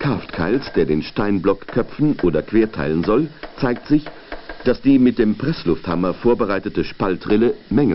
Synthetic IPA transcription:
kʰʁ̥aftkʰa̰ɪlsd̥eːɐdeːnʃtaɪnblɔkʰːœp͡fn̩ʔoːdɐkv̥eːɐtʰa̰ɪlənzɔlt͡saɪk̚tz̥ɪç | d̥asd̥iːmɪt̚d̥eːmpʁ̥ɛslʊfthamɐfoːɐbəʁaɪtətəʃpaltʁɪləmɛŋl

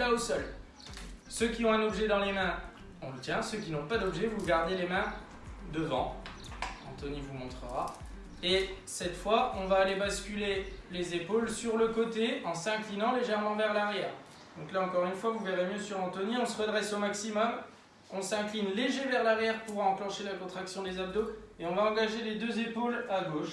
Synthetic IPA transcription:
laosɔl | søkʲiɔ̃ɛ̃nɔbʒɛd̪ɑ̃lemɛ̃ | ɔ̃lət̪jɛ̃søkʲinɔ̃pad̪ɔbʒɛvuɡaʁd̪elemɛ̃ | d̪əvɑ̰̃ | ɑ̰̃t̪ɔnivumɔ̃t̪χəʁa | esɛt̪fwaɔ̃vaːlebaskʲylelezepolsyʁləkɔt̪eɑ̃sɛ̃klinɑ̃leʒɛʁmɑ̃vɛʁlaʁjɛːʁ | d̪̥ɔ̃klaɑ̃kɔʁynfwavuveʁemjøsyʁɑ̃t̪ɔniɔ̃səʁəd̪ʁɛsomaksimɔm | ɔ̃sɛ̃klinleʒevɛʁlaʁjɛʁpuʁɑ̃klɑ̃ʃelakɔ̃t̪χaksjɔ̃d̪ezab̚d̪oeɔ̃vaɑ̃ɡaʒeled̪øzepolaɡoʃ

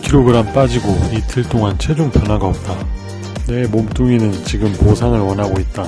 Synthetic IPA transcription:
kiɾoɡɯɾamp͈ad͡ʑiɡoitʰɯɭt͈oŋant͡ɕʰe̞d͡ʑoŋpjʌnɦaɡaʌp̚t͈a | ne̞momt͈uŋinɯnt͡ɕiɡɯmposʰaŋɯɭwʌnɦaɡoit̚t͈a

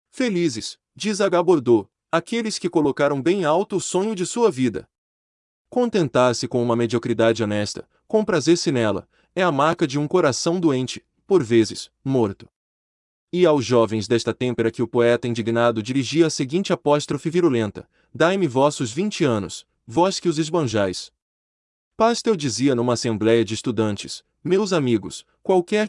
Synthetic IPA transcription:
felizɪs | d͡ʒizaɡaboɾd̪o | akelɪskɪkolokaɾɐ̃w̃bẽj̃awt̪ʊːsõɲʊd͡ʒɪsuɐvid̪ɐ̰ | kõnt̪ẽnt̪aɾsɪkõũmɐmed͡ʒiokɾid̪ad͡ʒɪonɛst̪ɐ̰ | kõpɾazeɾsinɛlɐ̰ | ɛɐmaɾkɐd͡ʒɪũkoɾasɐ̃w̃d̪oẽnt͡ʃɪ̥ | poɾvezɪsmoɾt̪ʊ̥ | ɪawzʒɔvẽj̃zd̪ɛst̪ɐt̪ẽmpeɾɐkɪʊpoɛt̪ɐĩd͡ʒiɡnad̪ʊd͡ʒiɾiʒiɐːseɡĩnt͡ʃɪapɔst̪ɾofɪviɾolẽnt̪ɐ | d̪ajmɪvɔsʊzvĩnt͡ʃɪɐ̃nʊ̰s | vɔskɪʊzɪzbɐ̃ʒajs | past̪ewd͡ʒiziɐnũmɐːsẽmblɛjɐd͡ʒɪːst̪ud̪ɐ̃nt͡ʃɪs | mewzamiɡʊs | kwawkɛɾ

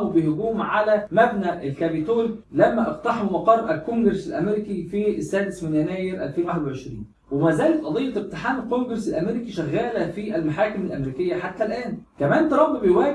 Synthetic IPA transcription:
ubeɦʊɡuːmʕalæmæbnæʔelkæbit̪oːɾlæmːæʔɑft̪ɑħemmɑqɑrˤːʔælkoŋɡɾsælʔæmeɾikifisːæːd̪esmɪnjænæːjeɾʔæ̰lfeːnwaħed̪wʕeʃɾḭːn | wemæːzæːlet̪ʔɑd̪ˤejːɑeb̚t̪eħaːmælkoŋɡɾesælʔæmeɾikiʃæɣːæːlæfiʔælmaħaːkɪmælʔæmɾiːkɪjːæħat̪ːælʔæːnkæmæːnt̪ɑɾˤɑbːibejwæː

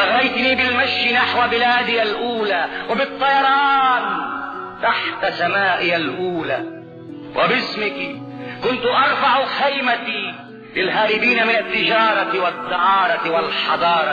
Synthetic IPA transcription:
aɣajt̪niːbɪlmaʃːɪnaħwabɪlaːd̪ɪjalʔuːlaːwɪbɨt̪ˤːɑjɑɾˤɑːnt̪aħt̪asamaːʔɪjalʔuːla̰ː | wʔɪ̰bɪsmɪkikʊnt̪ʊʔɑɾˤfɑʕxajmat̪i | lɪlɦaːɾɪbiːnamɪnat̪ːɪd͡ʒɑːɾˤɑt̪wat̪ˤːɑʕɑːɾˤɑtwalħɑd̪ˤɑːɾˤɑ

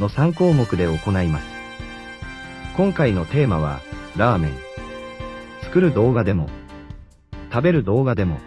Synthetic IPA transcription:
no̞sãŋko̞ːmo̞kɯ̟d̪e̞o̞ko̞naimasɨ̥ | kõ̞ŋkaino̞t̪e̞ːmaβ̞a̰ɾaːmẽ̞̰ŋ | t͡sɨ̥kɯ̟ɾɯ̟d̪o̞ːɡad̪e̞mo̞̰ | t̪abe̞ɾɯ̟d̪o̞ːɡad̪e̞mo̞̰

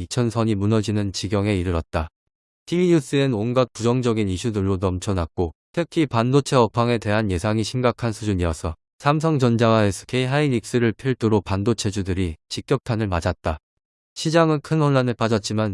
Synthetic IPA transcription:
it͡ɕʰʌnsʰʌɲimunʌd͡ʑinɯnt͡ɕiɡjʌŋe̞iɾɯɾʌt̚t͈a | tiiɲus͈ɯenonɡʌt̚kud͡ʑʌŋd͡ʑʌɡiniɕʰudɯɭːonʌmt͡ɕʰʌnak̚k͈otʰɯkʰipandot͡ɕʰe̞ʌpʰaŋe̞te̞ɦanje̞sʰaŋiɕʰimɡakʰansʰud͡ʑuɲiʌsʰʌ | sʰams̬ʰʌŋd͡ʑʌnd͡ʑaŋaesʰʌ̥kʰeiɦainik̚s͈ɯɾɯɭpʰiɭt͈ɯɾopandot͡ɕʰe̞d͡ʑudɯɾit͡ɕik͈̚jʌk̚tʰanɯɭmad͡ʑat̚t͈a | ɕʰid͡ʑaŋɯnkʰɯnʌnːanɯɭpad͡ʑʌt̚t͡ɕ͈iman

